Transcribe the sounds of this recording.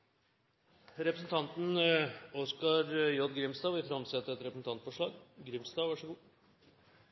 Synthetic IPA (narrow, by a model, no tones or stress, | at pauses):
ɾɛpɾəsn̩t̪ʰɑnt̪nɔskɑɾjɔd̪ɡɾɪmsd̪ɑːʋɪfɾɑmsɛt̪ːəɛt̪ɾɛpɾsn̩t̪ɑnt̪fɔʂɭɑːɡɡɾɪmsd̪ɑːʋɑʂəɡuː